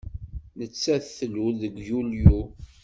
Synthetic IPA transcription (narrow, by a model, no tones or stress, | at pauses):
nət͡sːæθθlulðəɡjulju